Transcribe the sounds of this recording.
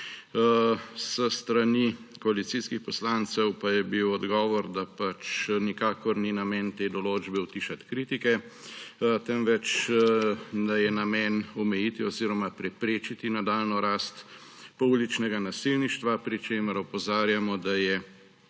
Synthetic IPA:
səst̪ɾanikɔalit̪siskixpɔslaːnt̪sɛwpajɛbiwɔd̪ɡɔːʋɔɾd̪apat͡ʃnikaːkɔɾninamɛːnt̪eːd̪ɔloːd͡ʒbɛwt̪iːʃat̪kɾit̪ikɛ | t̪ɛmʋɛt͡ʃ | d̪ajɛnamɛːnɔmɛjit̪iɔziːɾɔmapɾɛpɾeːt͡ʃit̪inad̪aːlnɔɾast̪ | poulit͡ʃnɛɡanasilniʃt̪ʋapɾit͡ʃeːməɾɔpɔzaːɾjamɔd̪ajɛ

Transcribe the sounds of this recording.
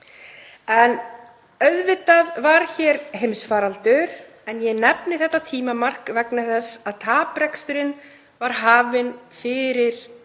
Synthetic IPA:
ɛn | œðvɪt̪aðvaɾ̥çɛɾɦejmsfaːɾalt̪ʏɾ | ɛnjɛnɛpnɪθɛht̪ːat̪ʰiːmamar̥kvɛknaθɛsːaðt̪ʰaːpɾɛkst̪ʏɾɪn | vaɾ̥ɦaːvɪnfɪɾɪɾ̥

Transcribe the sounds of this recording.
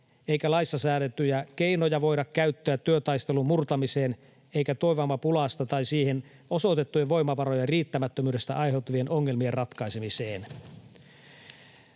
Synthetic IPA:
e̞jkælɑist̪ːɑsæːɾet̪ːyjæke̞inojɑʋo̞jɾɑkkæyt̪ːøæt̪ːyøt̪ɑjst̪e̞lummurt̪ɑmiseːn | ejkæt̪ojʋɑmːɑpulɑst̪ɑt̪ɑjsiːhen | o̞so̞t̪e̞t̪ːujɑʋo̞jmɑʋɑɾo̞jɑriːt̪ːæmæt̪ːømyːde̞st̪æʔɑjɦe̞wt̪ːˑuʋienʔoŋːe̞lmierɑt̪kɑjsemiseːn

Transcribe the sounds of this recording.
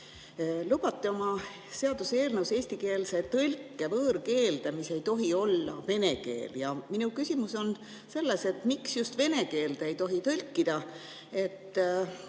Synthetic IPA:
lubɑt̪ˑːeo̞mɑ | se̞ɑd̪̥useːlnewse̞ːsʲt̪ike̞ːlse̞t̪ɤlʲkːˑe̞vɤːɾke̞ːld̪̥emise̞jt̪o̞ɦio̞lːɑ̰ve̞ne̞ke̞̰ːljɑminukysʲimuso̞n | se̞lːese̞t̪ˑmiksjust̪ve̞ne̞ke̞ːld̪e̞jt̪o̞ɦit̪ɤlʲkːˑid̪̥ɑ | e̞t̪ː

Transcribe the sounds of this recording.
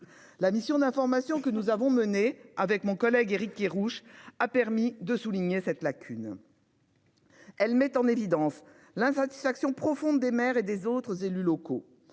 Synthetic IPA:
lamisjɔ̃d̪ɛ̃fɔʁmasjɔ̃kənuzavɔ̃məneavɛkmɔ̃kɔlɛɡeʁikeʁuʃapɛʁmid̪əsuliɲesɛt̪lakʲʰyn | ɛlmɛt̪ɑ̃nevid̪ɑ̃s | lɛ̃sat̪i̥sfaksjɔ̃pχɔfɔ̃d̪ːemɛʁed̪ezot̪χəzelylɔko

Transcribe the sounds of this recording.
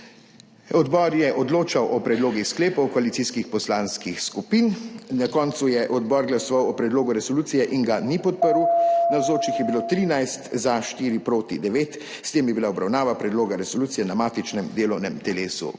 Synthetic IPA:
ɔd̪bɔːɾjɛʔɔd̪loːt͡ʃawʔɔpɾɛd̪loːɡixskleːpɔwkɔalit̪siskixpɔslaːnskixskupinnakɔːnt̪sujɛʔɔd̪bɔːɾɡlasɔʋawɔpɾɛd̪loːɡuɾɛsɔluːt̪sijɛʔiŋɡanipɔt̪̚pəɾunawzoːt͡ʃixjɛbiloːt̪ɾinajst̪zaʃt̪iːɾipɾoːt̪id̪ɛʋeːt̪ | st̪eːmjɛbilaɔbɾawnaːʋapɾɛd̪loːɡaɾɛsɔluːt̪sijɛnamaːt̪it͡ʃnɛmd̪eːlɔwnɛmt̪ɛleːsṵ

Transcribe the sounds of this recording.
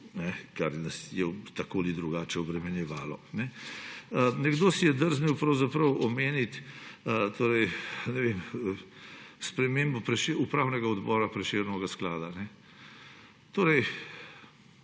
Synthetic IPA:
nɛkaɾnasjɛt̪akoːlid̪ɾuɡaːt͡ʃɛɔbɾɛmɛnjɛʋaːlɔnɛ | nɛɡd̪oːsijɛd̪əɾzmewpɾɐwzapɾəwɔmeːnit̪ | t̪ʰoːɾɛjnɛʋem | spɾɛmeːmbɔpɾɛʃeupɾaːwnɛɡaɔd̪bɔːɾapɾɛʃeːɾnɔɡasklaːd̪anɛ | t̪oːɾɛj

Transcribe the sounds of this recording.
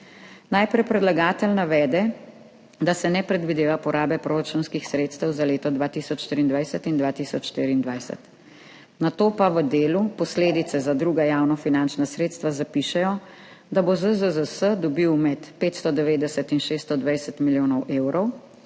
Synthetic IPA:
najpɾɛjpɾɛd̪laɡaːt̪əlnaʋɛːd̪ɛ | d̪asɛnɛpɾɛd̪ʋid̪eːʋapɔɾaːbɛpɾoɾat͡ʃunskixsɾeːt̪st̪əwzaleːt̪ɔd̪ʋaːt̪isɔt͡ʃʃt̪ɾiːnd̪ʋajsət̪ind̪ʋaːt̪iːsɔt͡ʃʃt̪ḭɾiːnd̪ʋajsɛ̰t̪ | nat̪oːpaʋəd̪eːlupɔsleːd̪it̪sɛzad̪ɾuːɡajaːwnɔfinant͡ʃnasɾeːt̪st̪ʋazapiʃɛjɔ | d̪abozəzəzəsəd̪ɔbiwmɛt̪peːt̪st̪ɔd̪ɛʋeːd̪ɛsət̪inʃeːst̪ɔd̪ʋajsət̪miljoːnɔwʔeːwɾɔw

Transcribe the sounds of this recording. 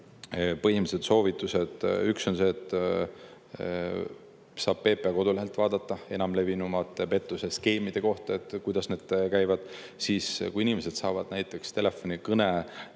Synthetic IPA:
pɤɦimised̪̥so̞ːvit̪ːˑuse̞d̪̥ykso̞nse̞ːt̪ːˑ | sɑːb̥pe̞ːpːˑeɑko̞d̪uliɦelt̪vɑːd̪̥ɑt̪ːˑɑe̞nɑmle̞vinumɑt̪ːˑepe̞t̪ːˑuse̞ske̞ːmid̪̥e̞ko̞ht̪ɑe̞t̪ːkujd̪̥ɑsne̞ːd̪̥̚kæjvɑd̪̥ | siːskuinimese̞d̪̥sɑːvɑd̪̥næjt̪ːˑe̞kst̪e̞lefːo̞nikɤne

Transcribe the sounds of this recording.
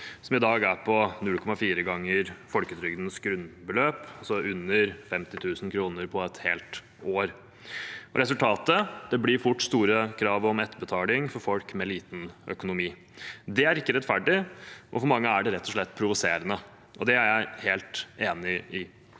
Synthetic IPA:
sɔmɪd̪ɑːɡæɾpʰɔnʉlkʰɔmɑfiːɾəɡɑŋːəɾfɔlkət̪ʰɾʏɡd̪nəsɡɾʉnbəløːpɔsɔʔʉnːəɾfɛmt̪ɪt̪ʰʉːsn̩kʰɾuːnəɾpʰɔɛt̪heːlt̪ | oːɾ | ɔ̰ɾɛs̬ʉlt̪ʰɑːt̪əd̪̥ɛblɪːɾfʊʈːst̪uːɾəkʰɾɑːʋɔmɛt̪ːəbət̪ʰɑːlɪŋfɔɾfɔlkmɛliːt̪n̩ʔœ̰kʊnʊmiː | d̪ɛæɾɪkːəɾɛt̪ːfæɖɪʔɔfɔɾmɑŋːəæɖɛɾɛt̪ʰːɔʂɭɛt̪ːpʰɾʊʋʊseːɾənə | ʔɔd̪ɛæɾjæɪheːlt̪eːnɪɪ

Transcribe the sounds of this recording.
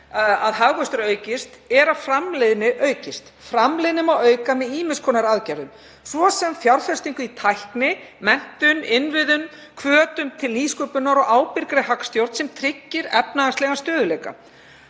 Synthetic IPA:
aðɦaɣɣœst̪ʏɾœːɥcɪst̪ɛɾafɾamlejðnɪʔœːɥcɪst̪fɾamlejðnɪmawœːɥkamɛðiːmɪnskʰɔːnaɾaðcajɾðʏm | svɔsɛmfjawɾfɛst̪iŋkʏit̪ʰajhknɪmɛn̥t̪ʏnɪnvɪðʏm | kʰvœːt̪ʏmt̪ʰɪlniːskʏpʏnːaɾɔɣaːwpɪɾkɾɪɦakst̪jowɾt̪sɛmt̪ʰɾɪcːɪɾɛpnaast̪lɛɣast̪œːðʏlejka̰

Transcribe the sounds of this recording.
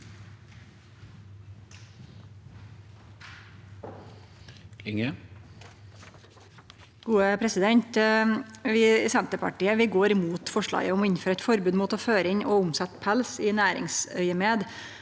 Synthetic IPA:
ɪŋə | ɡ̥uːəpʰɾɛsɪd̪ɛɲt̪ | ʋiːsɛnt̪əpʰɑ̰ʈiːəʋɪːɡoːɾmuːt̪fɔʂɭɑ̰ːɡəʊmɔːɪnføːɾəæɛt̪fɔɾbʉːd̪muːt̪oføːɾəɪɲʔoːʊmsɛt̪pʰælsiːnæːɾɪ̰ŋsœʏəmeːd̪

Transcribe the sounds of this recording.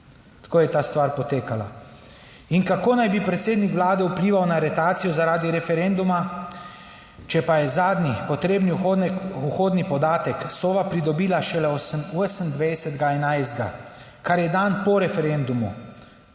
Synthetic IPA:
t̪ḁkoːjɛt̪aːst̪ʋaːɾpɔt̪eːkala̰ | inkakoːnajbipɾɛt̪seːd̪nikʋlaːd̪ɛupliːʋawnaɾɛt̪aːt̪sijɔzaɾaːd̪iɾɛfɛɾend̪uma | t͡ʃɛpajɛzaːd̪nipɔt̪ɾeːbniuxoːd̪nipɔd̪aːt̪ɛksɔʋapɾid̪ɔbiːlaʃɛlɛoosəmd̪ʋɛjsɛd̪ɡaɛnajzd̪̚ɡa̰ | kaɾjɛd̪anpɔɾɛfɛɾend̪umu

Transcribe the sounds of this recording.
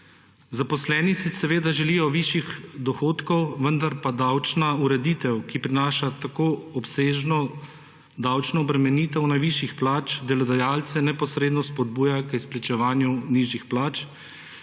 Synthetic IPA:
zapɔslɛːnisisɛʋeːd̪aʒɛlijɔʋiʃjixd̪ɔxoːt̪kɔwʋənd̪aɾpad̪awt͡ʃnauɾɛd̪iːt̪ɛwkipɾinaːʃat̪akoɔpseːʒnɔ | d̪awt͡ʃnɔːbɾɛmɛniːt̪ɛwnajʋiʃixplaːt͡ʃd̪ɛlɔd̪ajalt̪sɛnɛpɔsɾeːd̪nɔspɔd̪̚buːjakisplɛt͡ʃɛʋaːnjuniːʒixplaːt͡ʃ

